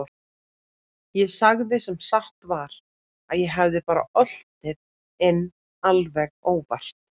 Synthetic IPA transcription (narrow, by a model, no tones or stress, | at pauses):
jɛsaɣðɪsɛmsaht̪vaɾ | aðjɛɦavðɪpaːɾa̰ʔœl̥t̪ɪð | ɪn | alvɛkoːwpar̥t̪̚